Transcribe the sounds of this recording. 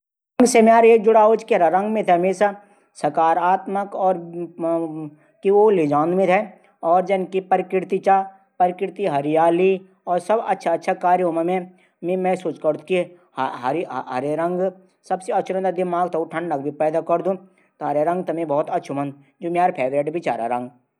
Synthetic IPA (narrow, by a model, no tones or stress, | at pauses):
ɾɐ̃ŋɡsemjaːɾek̚d͡ʒʊɽaːot͡ʃkiɦɐɾaɾɐ̃ŋɡmẽt̪ʰɛmẽsa | sɐkaːɾaːt̪məkɔːɾ | kiolɪd͡ʒãːnd̪mẽt̪ʰɛ | ɔːɾd͡ʒɐnkipɐɾkɪɾt̪it͡ʃaː | pɐɾkɪɾt̪iɦɐɾijaːli | ɔːɾsɐbɐ̰tːʃʰaɐtːʃʰakaːɾjʊməmẽ | mẽmɛ̃sut͡ʃkəɾt̪ki | ɦɐɾiɦɐɾeɾɐ̃ŋɡ | sɐbseɐtːʃʰɾɐ̃nd̪ad̪ɪmaːɡt̪ʰɐuʈʰɐ̃ɳɖɖɐk̚bʱipɛːd̪akɐɾd̪ũ | t̪oɦɐɾeɾɐ̃ŋɡt̪ɐmẽbɔːt̪ɐtːʃʰumɐ̃nd̪ | d͡ʒoːmjaːɾpʰeːʋɾeːʈbʱit͡ʃa̰ːɾa̰ɾɐ̃ŋɡ